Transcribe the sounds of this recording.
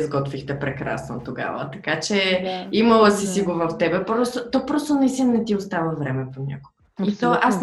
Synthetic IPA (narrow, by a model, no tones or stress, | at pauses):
zɡɔt̪vixt̪ɛpɾɛkɾa̰sno̰t̪oɡa̰və̰t̪ɐkat͡ʃɛimɐlˠəsisiɡovəft̪ɛbɛpɾɔst̪ot̪ɔpɾɔst̪onɐist̪inəɛt̪iost̪avəvɾɛmɛpoɲʲa̰koɡəit̪ɔʔas